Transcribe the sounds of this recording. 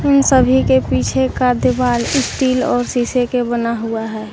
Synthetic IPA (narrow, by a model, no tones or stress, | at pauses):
ɪnsəbʱikepiːt͡ʃʰekad̪əbaːlɪsʈiːlɔːɾsiːsekebənaɦuaɦɛː